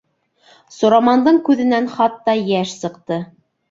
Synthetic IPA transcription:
sŏɾɑmɑnd̪ɤɴkʉðɘ̆nænχɑt̪ːɑjæʃsɤ̆qt̪ɤ

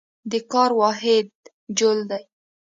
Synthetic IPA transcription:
d̪əkɑɾwɑɦɪd̪̚ | d͡ʒold̪aj

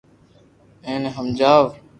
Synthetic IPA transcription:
ẽːnɦəmd͡ʒaːʋ

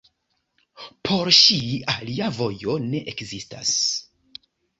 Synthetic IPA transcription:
pʰo̞ɾʃialiavo̞jo̞ne̞ʔekzista̰s

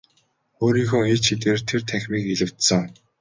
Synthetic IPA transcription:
xoːɾiːŋxoːŋet͡ɕʰit̪eːrt̪ʰert̪ʰæxʲmiːkeɮɘ̆w̥t̪sə̆ŋ

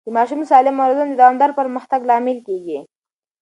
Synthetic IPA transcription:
d̪̥əmɑʃumsɑlɪmːawɾad̪und̪əd̪ɑnd̪aɾpəɾməxt̪aɡlɑmɪlkeɡi

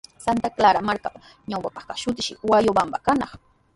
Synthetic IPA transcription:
sant̪aklaɾamaɾka | ɲawpapɑ̥χkaʃʊt̪̬ɪ̥ʃɪ̰wajobambakanɑχ

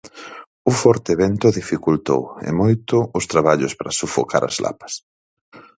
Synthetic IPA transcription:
ufɔɾt̪eeβɛnt̪ʊðifikult̪o̰wḛmojt̪ʊʊst̪ɾaβaʎʊspɾasufo̰kʰa̰ɾɐ̰zlʔa̰pɐ̥s

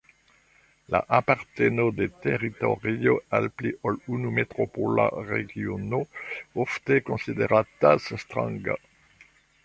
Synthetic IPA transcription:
la̰ʔapaʁt̪enod̪et̪eʁit̪o̰ʁioalpliʔolunumet̪ʁopola̰ʁeɡjonoɔft̪ekɔ̃sid̪eʁat̪asst̪ʁã̰ŋɡa̰

